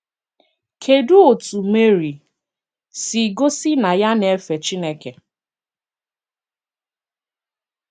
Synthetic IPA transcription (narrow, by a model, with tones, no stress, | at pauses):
kʰe˨du˦o˨tu˨me˦ɾi˨ | si˨ɡo˦si˦na˨ja˦ne˨˦fe˨t͡ʃi˦ne˦ke˨